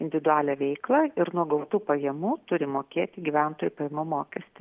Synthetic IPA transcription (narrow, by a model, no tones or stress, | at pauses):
ɪnʲd̪ʲɪʋʲɪd̪ʊæːlʲɛʋʲɛɪklˠɐɪɾnuɔɡɐʊt̪uːpɐjɛmuːt̪ʊɾʲɪmoːkʲeːt̪ʲɪɡʲiʋʲæˑnt̪oːjupɐjɛmomoːkʲɛsʲt̪ʲɪ